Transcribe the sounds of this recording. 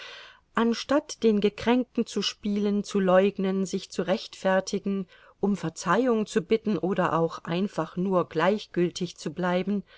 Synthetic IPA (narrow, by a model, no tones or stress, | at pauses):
ʔanʃtatd̥eːnɡəkʁ̥ɛŋ̚tn̩t͡suʃpiːlənt͡sulɔʏɡnənzɪçt͡suʁɛçtfɛɐtʰɪɡŋ̩ | ʔʊmfɛɐt͡saɪʊŋt͡subɪtn̩ʔoːɾɐʔaʊxʔa̰ɪnfaχnuːɐɡlaɪçɡ̥ʏltʰɪçt͡sublaɪbn̩